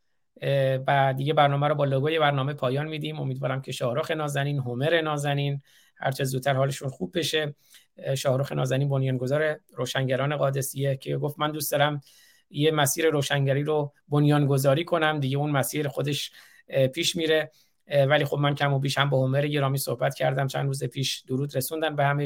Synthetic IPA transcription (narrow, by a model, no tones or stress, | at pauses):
bæd̪iːɡɟe̞bæɾnɒːmæɾɔːbɒːloɡoːje̞bæɾnɒːme̞pʰɒːjɒːnmiːd̪imo̞̰miːd̪vɒːɾæmcʰe̞ʃɒːhɾoːxe̞nɒːzæniːnɦomeɾe̞nɒːzæniːn | hæ̰ɾt͡ʃʰezuːt̪t̪ʰæɾhɒːleʃunxubːe̞ʃe | ʃɒːhɾoːxe̞nʔɒ̰ːzæniːnbo̞njɒːnɡo̞zɒːɾe̞ɾoːʃæŋɟæɾɒːne̞ɣɒːd̪e̞sijecʰeɡo̞ft̪mænd̪uːst̪ɒːɾæm | jemæsiːɾe̞ɾoːʃæŋɟæɾiːɾobo̞njɒːnɡo̞zɒːɾiːkʰo̞næmd̪iɟeunmæsiːɾxo̞d̪e̞ʃ | pʰiːʃmiːɾe̞ | væliːxo̞bmæncʰæmobiːʃhæmbɒːho̞meɾeje̞ɾɒːmiːso̞hbæt̪cʰæɾd̪æmt͡ʃʰæ̰nd̪ɾuːzepʰiːʃd̪̥oɾuːd̪ɾe̞sund̪ænbe̞hæme